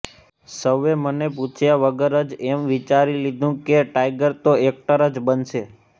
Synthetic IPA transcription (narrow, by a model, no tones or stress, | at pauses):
səʋːemənep̬ut͡ʃʰjaʋəɡəɾəd͡ʒemʋit͡ʃaɾilid̪ʱũkeʈajɡəɾt̪oek̚ʈəɾəd͡ʒbənʃe